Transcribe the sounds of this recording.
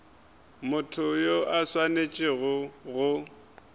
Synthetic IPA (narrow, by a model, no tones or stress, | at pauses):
mʊtʰʊjoʔaswanet͡ʃʼɪɣʊɣʊ